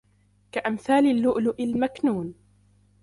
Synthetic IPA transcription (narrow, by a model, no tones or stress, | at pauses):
kaʔamθaːlɪlːʊʔlʊʔɪlmaknuːn